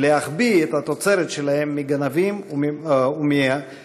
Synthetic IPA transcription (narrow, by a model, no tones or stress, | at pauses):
leɦaχbiet̪hat̪ot͡seɾet̪ʃelahemːiɡanavim | umi